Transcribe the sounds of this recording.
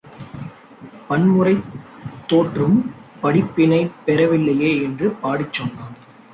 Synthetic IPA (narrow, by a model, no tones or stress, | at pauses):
pɐnmɯrɐɪt̪ːoːʈrɯmpɐɽɪpːɪnɐɪpːɛɾɐʋɪlːɐjeːɛndrɯpaːɽɪt͡ʃːɔnːaːn